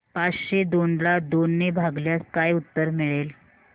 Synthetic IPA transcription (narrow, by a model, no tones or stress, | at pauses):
pat͡sɕed̪onlad̪onːebʱaɡljaskajut̪ːəɾmiɭel